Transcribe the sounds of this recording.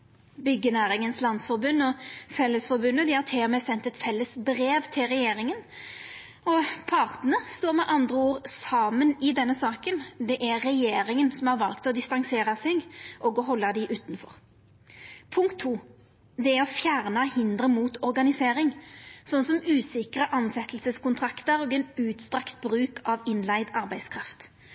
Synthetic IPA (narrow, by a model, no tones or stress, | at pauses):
bʏɡːənæːɾɪŋənslɑnsfɔɾbʉnːɔfɛlːəsfɔɾbʉnːəd̪ɪhɑʁt̪ʰeːmɛsɛnt̪ɛt̪fɛlːəsbɾeːʋt̪ʰɪlɾɛjeːɾɪŋən | ɔpʰɑʁt̪nəəst̪oːɾmɛʔɑnd̪ʁəuːʁsɑːmənɪd̪ɛnːəsɑːkənd̪ɛʔæːɛjeːɾɪŋənsɔmhɑɾʋɑlkt̪ɔd̪ɪst̪ɑŋseːɾɑsɪɡʔɔɡɔɦɔlːɑd̪ɪʔʉːt̪nfɔʁ | pʰʊŋkt̪ʰːuː | d̪ɛæɾɔfjæːʁnɑhɪnd̪ʁəmuːt̪ɔʁɡɑnɪseːɾɪŋsɔnsɔmʉːsɪkɾəʔɑnsɛt̪əlsəskʊnt̪ʰɾɑkt̪əɾɔːɡɛnʉːt̪st̪ʁɑkt̪̚bɾʉːkɑʋɪnlæɪd̪ɑɾbæɪskʰɾɑft̪